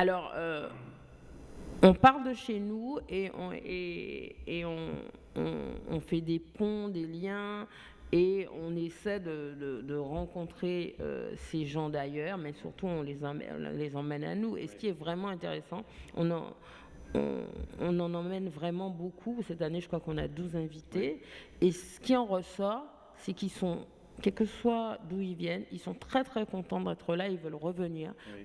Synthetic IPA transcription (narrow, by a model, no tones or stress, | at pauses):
alɔʁø | ɔ̃paʁld̪əʃenueɔ̰̃ḛː | ɔ̃ | ɔ̰̃fɛd̪epɔ̃d̪eljɛ̃ | eɔ̃nesɛd̪əd̪əd̪əʁɑ̃kɔ̃t̪χeø̰seʒɑ̃d̪ajœːʁmɛsy̰ʁt̪uɔ̃lez̃mɛ̰̃lezɑ̃mɛna̰nuḛsə̥kʲiɛvʁɛmɑ̃ɛ̃t̪eʁesɑ̃ɔ̰̃nɑ̰̃ | ɔ̰̃ɔ̃nɑ̃nɑ̃mɛnvʁɛmɑ̃bokʰusɛt̪aneʒəkχwakɔ̃na̰d̪uzɛ̃vit̪eesə̥kʲiɑ̃ʁəsɔʁ | sɛkilsɔ̃ | kʲɛlkəswad̪uilvjɛnilsɔ̃t̪χɛt̪χɛkɔ̃t̪ɑ̃d̪ɛt̪χəlailvœlʁəvəniːʁ